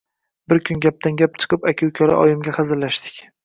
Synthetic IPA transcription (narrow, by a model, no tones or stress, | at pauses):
bɪɾkʲʰʊnɡʲap̚t̪ʰanɡʲap̚t͡ʃʰɨ̥qɨpakʲʰɪwkʲʰɒɾa̰ʔɒjɪmɡʲaχɨzɪɾlaʃd̪ɪ̥kʲ